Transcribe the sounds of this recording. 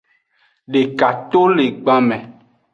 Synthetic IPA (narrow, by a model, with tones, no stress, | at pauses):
ɖe˨ka˨t̪o˦le˨ɡ͡bã˦mɛ̃˨